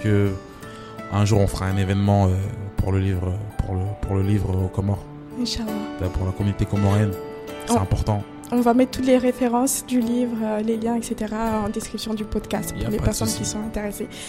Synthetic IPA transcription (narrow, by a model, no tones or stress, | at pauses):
kə | ɛ̃ʒuʁɔ̃fəʁaɛ̃nevɛnmɑ̃øpṵʁləlivʁøpuʁləpuʁləlivʁəokɔmɔʁ | ʃabapuʁlakɔmynit̪ekɔmɔʁjɛñ | ɛ̃pɔʁt̪ɑ̃ | ɔ̃vamɛt̪t̪ːut̪leʁefeʁɑ̃sd̪ylivʁøleljɛ̃ɛkset̪eʁaɑ̃d̪eskχipsjɔ̃d̪ypɔd̪kast̪puʁlepɛʁsɔnkʲisɔ̃ɛ̃t̪eʁese